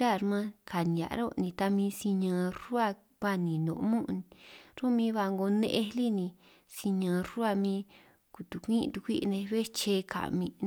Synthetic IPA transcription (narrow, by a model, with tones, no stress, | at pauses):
ɾa˦˨ɾmã˦kʰa˨nĩ˨a̰˨˧ɾo˦˧nĩ˧t̪a˧mĩ˧si˧ɲã˧ɾu˦a˦˧ | βa˦nĩ˨nõ̰˨˧mũ˦˧ni˧ɾo˦mĩː˧˦βa˧ŋɡo˧nḛ̃˧ʔe˧li˦nĩ˧ | si˧ɲã˧ɾu˦a˦˧mĩː˧ | ku˧˨t̪u˨kʷĩ˦˧t̪u˧kʷi˦ʔnẽ˧βe˦t͡ʃe˧kʰa̰˨mĩ˧